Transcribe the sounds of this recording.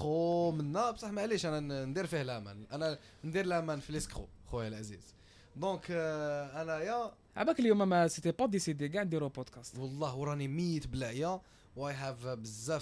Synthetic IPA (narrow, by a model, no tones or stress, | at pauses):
omənːæbsˤɑħmæʕliʃʔænænd̪iɾfihlæmæ̰nʔænæ | nd̪iɾlæmænfiləskχṵ | xujælʔæzḭz | d̪ɔ̃kʔænæjæ | ʕ̰bækəljumæmæsit̪ipɑd̪isid̪iɡaʕnd̪iɾupod̪kæst̪wɑlˤːɑhwɾˤɑnimijət̪blæʔjæ | wæjħævbəzːæ